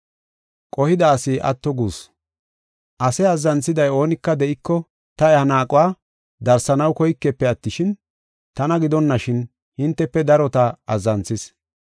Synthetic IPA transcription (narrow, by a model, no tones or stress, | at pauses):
kʼɔhɪd̪ɐːsɪʔɐ̰t̪ːɔɡuːs | ʔɐsɛɐzːɐnt͡sːɪd̪ɐjo̞ːnɪkːɐd̪ɛʔɪkːɔ | t̪ɐɛhɐnaːkʼʊwaː | d̪ɐɾsɐnɐwkɔjkːɛpːɛɐt̪ːɪʃɪn | t̪ɐnɐɡɪd̪ɔnːɐʃɪn | hɪnt̪ːɛpːɛd̪ɐɾɔt̪ɐɐzːɐnt͡sːɪs